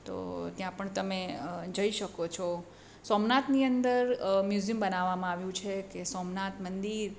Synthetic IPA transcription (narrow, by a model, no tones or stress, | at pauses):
t̪o̰t̪jãpəɳt̪əmed͡ʒəiʃəkot͡ʃʰɔ | sɔmnat̪niənd̪əɾmjuziəmbənaʋːamãaʋjũt͡ʃʰekesɔmnat̪mənd̪iɾ